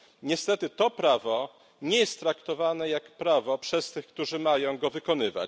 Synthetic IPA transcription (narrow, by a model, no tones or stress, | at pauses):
ɲɛst̪ɛt̪ɘt̪ɔpɾavɔ | ɲɛjɛst̪ːɾakt̪ɔvanɛjakpɾavɔpʂɛst̪ɘxkt̪uʐɘmajɔ̃w̃ɡɔvɘkɔnɘva̰t͡ɕ